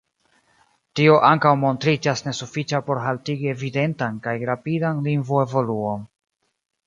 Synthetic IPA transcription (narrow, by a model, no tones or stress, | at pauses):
tio̞ʔaŋkawmo̞ntɾid͡ʒasne̞sufit͡ʃapo̞ɾɦaltiɡie̞vide̞ntankajɾapidanliŋɡvue̞vo̞luo̞n